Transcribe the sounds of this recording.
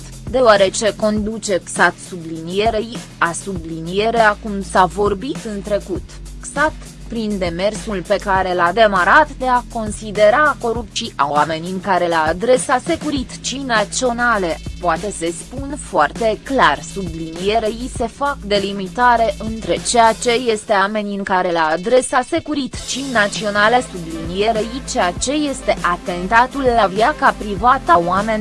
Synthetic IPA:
d̪e̞oaɾe̞t͡ʃe̞ko̞nd̪ut͡ʃe̞ksat̪sublinije̞ɾej | asublinije̞ɾe̞akumsavo̞rbit̪ɨnt̪ɾe̞kut̪ksat̪ | pɾind̪e̞me̞rsulpe̞kaɾe̞lad̪e̞maɾat̪d̪e̞ako̞nsid̪e̞ɾako̞ɾupt͡ʃiʔa̰wame̞nikaɾe̞laad̪ɾe̞sase̞kuɾit̪t͡ʃinasio̞nale̞poat̪e̞se̞spunfoart̪e̞klarsublinije̞ɾejise̞fakd̪e̞limit̪aɾe̞ʔɨnt̪ɾe̞t͡ʃejat͡ʃe̞je̞st̪e̞ame̞niɨŋkaɾe̞laad̪ɾe̞sase̞kuɾit̪t͡ʃinat̪sio̞nale̞sublinije̞ɾejit͡ʃeat͡ʃe̞je̞st̪e̞ʔat̪e̞nt̪at̪ulːavjakapɾivat̪əwame̞nʲ

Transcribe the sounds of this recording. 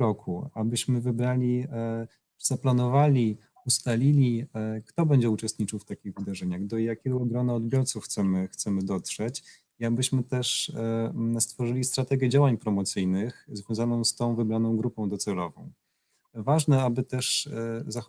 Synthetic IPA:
ɾɔkʰuabɘɕmɘvɘbɾalʲi | z̥aplanɔvalʲi | ust̪alʲilʲikt̪ɔbɛɲd͡ʑɛut͡ʂɛst̪̚ɲit͡ʂɘwft̪akʲiɣvɘd̪aʐɛɲaɣd̪ɔjakʲɛɡɔɔɡɾɔnaɔd̪bʲjɔɾt̪sufxt̪sɛmɘxt̪sɛmɘd̪ɔt̪ʂɛt͡ɕ | iabɘɕmɘt̪ɛʂ | st̪fɔʐɘlʲist̪ɾat̪ɛɡʲjɛd͡ʑawaɲpɾɔmɔt̪sɘjnɘxzvʲjɔ̃w̃zanɔ̃w̃st̪ɔ̃w̃vɘbɾanɔ̃w̃ɡɾupɔ̃w̃d̪ɔt̪sɛlɔvɔ̰̃w̃ | vaʐnɛabɘt̪ɛʂza

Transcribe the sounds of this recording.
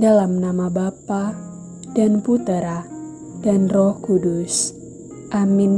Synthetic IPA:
dalamnamabapa | danput̪əɾa | d̥anrɔhkudus | ʔamin

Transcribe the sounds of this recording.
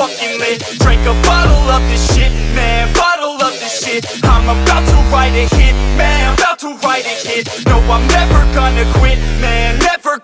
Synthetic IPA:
ɔkɪ̃ŋlɪ | d̥ɹɪ̃ŋkəbɑɾl̩ˠʌvðɨʃɪt̚mæ̃bɑɾl̩ˠʌvðɨʃɪt̚ãɪ̃məbɑʊtʰəɹaɪɾɨhɪt̚mæ̃nãɪbaʊtʰəɹaɪɾɨhɪt̚ | noʊãɪ̃nɛvə˞ɡʌnɨkʰw̥ɪt̚mæ̃nːɛvə˞

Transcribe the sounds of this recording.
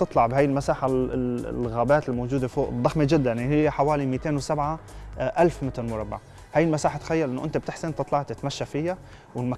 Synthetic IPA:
t̪ɨt̪ˤlɑʕbɦaːjɪlmasaːħa̰lɣaːbaːt̪ɪlmowd͡ʒuːd̪efoːʔɨd̪ˤːɑxmed͡ʒɪd̪ːanɦɪjːeħawaːlimiːt̪eːnwɪsabʕaʔalfmɪt̪ɪlmʊɾˤɑbːa̰ʕ | haːjɪlmasaːħat̪xajːalʔɪnːʊʔɪnt̪ab̚t̪ɪħsɪnt̪ɨt̪ˤlɑʕt̪ɪt̪maʃːafɪjːa | wɪlma

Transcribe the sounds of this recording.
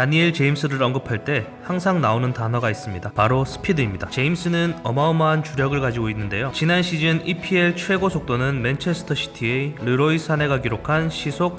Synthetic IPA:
taɲieɭt͡ɕe̞imsʰɯɾɯɾʌŋɡɯpʰaɭt͈e̞ | haŋsʰaŋnaonɯntanɦʌɡais͈ɯmɲidapaɾosʰɯ̥pʰidɯimɲidat͡ɕe̞ims͈ʰɯnɯnʌmaomaɦːnt͡ɕuɾjʌɡɯɭkad͡ʑiɡoinːɯnde̞jot͡ɕinanɕʰid͡ʑɯnipʰie̞ɭt͡ɕʰwe̞ɡosʰok̚t͈onɯnment͡ɕʰe̞s͈ʰɯ̥tʰʌɕʰi̥tʰieɾɯɾois͈ʰane̞ɡakiɾokʰanɕʰisʰok̚

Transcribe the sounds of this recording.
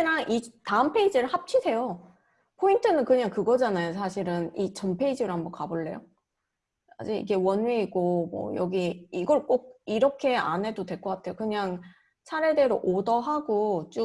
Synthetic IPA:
naŋʔitaɯmpʰe̞id͡ʑɯɾɯɭhap̚t͡ɕʰidʰe̞jo | pʰointʰɯnɯnkɯɲaŋkɯɡʌd͡ʑanajosʰaɕʰiɾɯnit͡ɕʌmpʰe̞id͡ʑɯɾɯɦambʌnkaboɭːe̞̰jo̰ | a̰d͡ʑiɡḭɡe̞wʌnweiɡomwʌ̰jʌ̰ɡiːɡʌɭk͈oɡ̚iɾʌkʰe̞a̰nɦe̞dodwe̞ɭk͈ʌk͈atʰe̞jokɯɲaŋ | t͡ɕʰaɾede̞ɾoʔodʌɦaɡot͡ɕ͈o

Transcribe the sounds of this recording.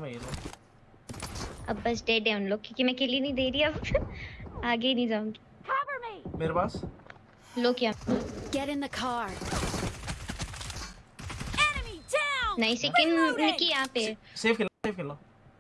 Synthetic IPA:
mɛ̃jeloː | ɐ̰bːɐsɖɛːɖɛ̃ʊnloːɡ̚kjõːkimɛ̃kɪlinɐ̃ɦĩd̪eːɾiɐb | aːɡeinɐĩd͡ʒaːũːŋɡi | hʰabə˞mimeːɾepaːs | loːɡjãɡ̥ɛɾɪ̃nðəkʰɑɹ | ɛnəmidanɐĩsekɪnnɪkijɐɦãːpeseːfkɪlõseːfkelõ

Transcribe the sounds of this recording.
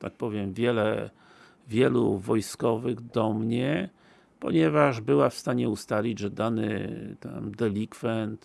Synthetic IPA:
t̪a̰k̚pɔvʲjɛmvʲjɛlɛ | vʲjɛlṵvɔjskɔvɘɣd̪ɔmɲɛ | pɔ̰ɲɛvaʐbɘwafst̪aɲɛust̪alʲid͡ʑʐɛd̪anɘ̰t̪ɛ̰nd̪ɛlʲikfɛnt̪

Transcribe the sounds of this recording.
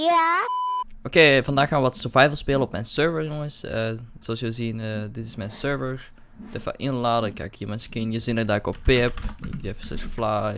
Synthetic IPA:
jæ | ʔokeːvɑndaːxaːʋəʋɔtsəɹvajvəlˠspeːləɔpmɛjnsøɹvəɹjoŋənsəsoɑlˠsjəzinədɪtɪsmɛjnsøɹvəɹ | tɛfə̰ʔɪnlaːdəkʰːa̰khiːəmɛnskɪnjəzinədaːkɔpːɪpɪ̰kdiɛfəsɛ̰sfla

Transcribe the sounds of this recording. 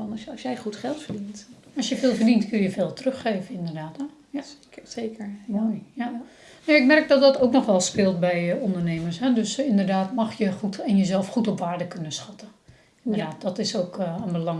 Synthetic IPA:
ɔnɔsjɛjxutxɛlˠtfəɹdint | ɔsjəfeːlˠfərdintkʰøljəfeːlˠtərøxːeːvənɪndərdaːtɛ | j | ekəɹmoːjja | nøːɪkmɛrk̚dɔt̚dɔtowknɔxʋɛlˠspɪlˠt̚bɛjɔndərneːmərsɦɛdøsɪndərdaːtmɑxjəxutɛnjəzɛlˠfxutɔpʋaːɹdəkønəsxɑtə | ɪndərdaːt̚dɔtɪsoːkənbəlɑŋ

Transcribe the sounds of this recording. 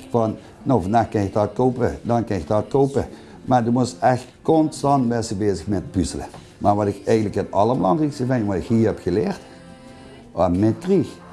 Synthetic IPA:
fɑn | noːfəndaːxkɪnɪk̚tɑt̚kowpədɑnkɪnɪktɑːtkowpə | maɹdymustɛxtkonstɑntbɛsəbeːzəxmɛtbysələ̰ | maːɹʋɑtɪkɛjɣəntləkɪnɑləmlɑ̰ndrikstəvɛnəʋɑɪkhiːɹhɛpxəleːrt | amɪtkrix

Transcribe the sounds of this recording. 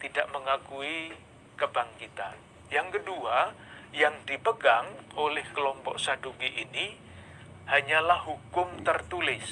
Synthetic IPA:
t̪idaʔməŋakui | kəbaŋkit̪a̰n | jaŋkəduajaŋdipəɡaŋʔolɛhkəlɔmpɔʔsadoɡiʔini | haɲalahɦukʊmt̪ərt̪ulɪs

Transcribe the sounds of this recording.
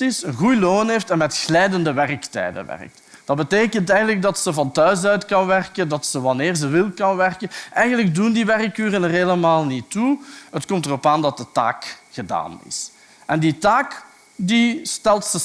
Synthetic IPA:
tɪsənɣujloːneːftɛnmɛtxlɛjdəndəʋɛrktɛ̰ːdə̰ʋɛ̰rə̰k̚t | d̥ɑd̚bəteːkəntɛjɣənləɡ̚dɑtsəvɑntœɥs̬œɥtkɑnʋɛrkəndɑtsəʋɑnɪːrzəʋɪlˠkɑnʋɛrkənʔɛjɣənlək̚dundiʋɛrkːyːrənərɦeləmaːlˠnituɦətkɔmtərɔpaːndɑt̚dəta̰ːkxəda̰ːnɪ̰s | ʔɛnditaːk | distɛlˠtsə

